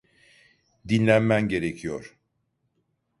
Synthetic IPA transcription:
d̪inlʲænmænɟe̞ɾecʰijoɾ̥

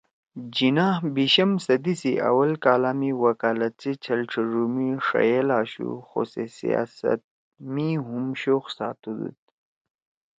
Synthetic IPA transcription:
d͡ʑinaːhbiɕɐmsɐd̪isiʔɐ̰wɐlkaːlaːmiwɐkaːlɐt̪̚t͡sit͡ɕʰɐlʈ͡ʂʰəɾumiʂɐ̰jelaːɕṵxo̰sesḭja̰ːsɐ̰t̪̚ | miɦumɕoxsaːt̪ud̪ṵt̪̚

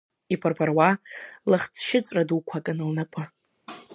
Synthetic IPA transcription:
ipʰarpʰarwalɨχt͡sʰʃɪt͡sʷʼradukʷʰakʼɨnɨlnapʷʼɨ

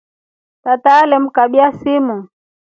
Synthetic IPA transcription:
tataːlɛm̩kaɓiasimu

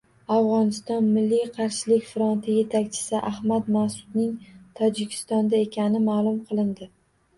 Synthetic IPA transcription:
avʁɒnɪst̪ɒnmɪlːijqʰɑɾʃɪlɪkʲfɾont̪ʰɪje̞t̪ʰakʲt͡ʃʰɪ̥sɪʔahmat̪masʊ̥d̪nɪŋt̪ʰɒd͡ʒɪkʲʰɪ̥st̪ɒnd̪ae̞kʲʰanɪmaːlˠʊmqʰɨlˠɪnd̪ɪ

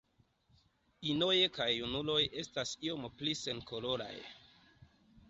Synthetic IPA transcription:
ino̞jekajunulo̞jʔe̞stasio̞mplise̞nkʰo̞lo̞ɾa̰j

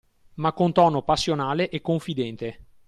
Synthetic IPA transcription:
makːont̪ɔːnopasːjonaːleʔekːoɱfid̪ɛnt̪e

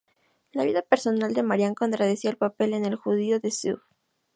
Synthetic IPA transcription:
laβiðape̞ɾso̞nald̪e̞maɾjaŋko̞nt̪ɾaðesielpape̞le̞ne̞lxuðio̞ðe̞sṵβ

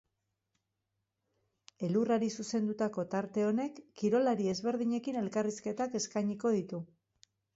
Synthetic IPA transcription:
e̞luraɾisuse̞nd̪ut̪ako̞t̪aɾt̪e̞o̞ne̞kːiɾo̞laɾie̞zβe̞ɾðiɲe̞kine̞lkariske̞t̪ake̞skajɲiko̞ð̞it̪u

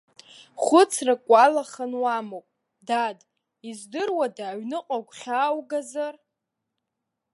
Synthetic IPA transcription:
χʷʊt͡sʰrakʷʼalaχanwamowpʼ | dad | izdɨrwadaːɥnɨqʷʼakʷʰʼχʲaːwɡazar

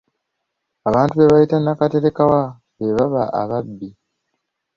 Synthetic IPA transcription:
aβaːntuβe̞βajitanakate̞ɾe̞kawa | βe̞βaβaʔa̰βabːi

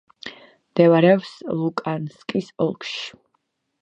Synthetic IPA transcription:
md̪̥ɛvaɾɛpslˠukʼanskʼisɔlˠkʰʃi̥

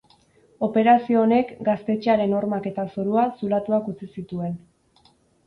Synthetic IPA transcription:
o̞pe̞ɾasioːne̞kɡast̪e̞t͡ʃeaɾe̞no̞ɾmake̞t̪asoɾuasulat̪uakut͡sisit̪ue̞n

